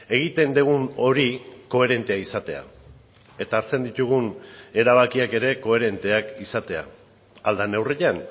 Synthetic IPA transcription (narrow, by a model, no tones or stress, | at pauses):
e̞ɣ̞it̪e̞nd̪eɣuno̞ɾiko̞e̞ɾe̞nt̪e̞aisat̪e̞a̰ | e̞t̪aːɾt͡se̞nd̪it̪uɣune̞ɾaβ̞akiake̞ɾe̞ko̞e̞ɾe̞nt̪e̞akisat̪e̞a̰ | ald̪ane̞wreʎan